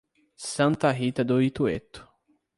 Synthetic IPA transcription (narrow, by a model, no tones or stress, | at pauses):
sãnt̪aɦit̪ad̪oit̪uḛt̪ːu̥